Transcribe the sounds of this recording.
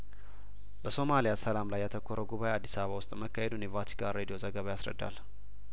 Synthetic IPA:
bəso̞malijasəlamlajːɛt̪ʰəkʰːoɾʔəɡuβajead̪ːisaβəβawʊst̪ʼməkːahed̪unjɛvat̪ʰi̥kʰaɾed̪ijo̞zəɡəβajasɾə̰d̪ːa̰l

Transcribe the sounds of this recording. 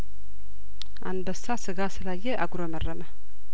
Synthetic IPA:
ʔanbəsːasɨɡasɨlajːɛʔaɡɾomərəmə

